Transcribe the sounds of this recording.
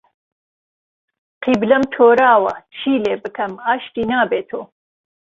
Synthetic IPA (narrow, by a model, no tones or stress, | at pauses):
qʰiblɐmt̪ʰoːɾaːwɐt͡ʃʰiːleːbɨkʰɐmaːʃʈinaːbeːt̪ʰoː